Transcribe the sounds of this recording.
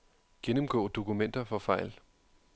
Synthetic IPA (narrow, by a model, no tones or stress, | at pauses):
ɡ̥enəmɡ̥ɔ̰ːd̥o̝kumen̰d̥ɐfɒ̽fɑ̈ɪ̰l